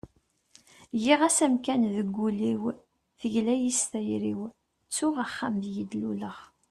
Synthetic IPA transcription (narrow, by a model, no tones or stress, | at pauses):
jiʁæsæmkænðəɡʷːuliw | θəʝlæjist̪æjɾiw | t͡sːʊʁaχːamðjid̪luləʁ